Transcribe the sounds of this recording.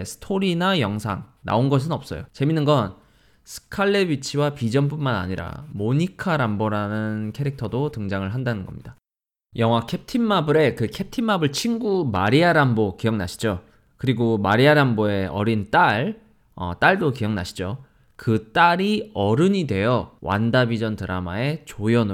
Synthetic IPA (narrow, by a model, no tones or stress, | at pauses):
sʰɯ̥tʰoɾinajʌŋsʰa̰ŋna̰onɡʌs̬ʰɯnʌp̚s͈ʌ̰jot͡ɕe̞minːɯnɡʌn | sʰɯ̥kʰaɭːe̞bit͡ɕʰiwapid͡ʑʌnpunmana̰ɲiɾa̰moɲikʰaɾamboɾanɯnkʰe̞ɾik̚tʰʌdotɯŋd͡ʑaŋɯɭɦandanɯnɡʌ̰mɲid̥a | jʌŋɦwakʰe̞p̚tʰinmabɯɾe̞kɯkʰe̞p̚tʰinmabɯɭt͡ɕʰiŋɡuma̰ɾiaɾambokijʌŋna̰ɕʰi̥d͡ʑo | kɯɾiɡomaɾiaɾamboe̞ʌɾint͈aɭ | ʌ̰t͈aɭdokijʌŋna̰ɕʰi̥d͡ʑo | kɯt͈aɾiʌɾɯɲidwe̞jʌwa̰ndabid͡ʑʌntɯɾamae̞t͡ɕojʌnɯ